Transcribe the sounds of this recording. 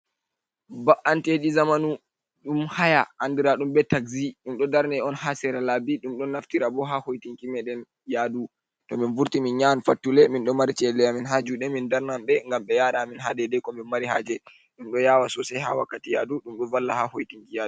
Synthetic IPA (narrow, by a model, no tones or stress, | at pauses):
baʔanteɗizamanu | ɗumhajaʔandiɾaɗumbɛtaɡziɗumɗɔdaɾnɛɔnhasɛɾalabiɗumɗɔnːaftiɾabɔɦahojtiŋkimɛɗɛn | jadu | tɔminvuɾtiminɲanfatːulɛminɗɔmaɾit͡ʃɛlɛjaminɦad͡ʒuɗɛmindaɾnamɓɛŋɡamɓɛjaɗaminɦadɛdɛkɔmɛnmaɾiɦad͡ʒɛ | ɗumɗɔjaːwasɔsɛjha̰wa̰kːatijaduɗumɗɔnvalːahahojtiŋkija